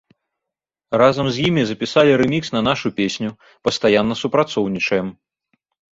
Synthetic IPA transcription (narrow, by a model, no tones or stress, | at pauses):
razɐmzʲjimʲizɐpʲisalʲiɾɛmʲiksnɐn̪aʂupʲesʲnʲu | pɐst̪ajanːɐsupɾat̪sɔwnʲit͡ʂɐjɛm